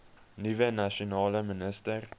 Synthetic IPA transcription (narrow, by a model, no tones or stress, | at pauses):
nivənaʃonɑːləmənəstər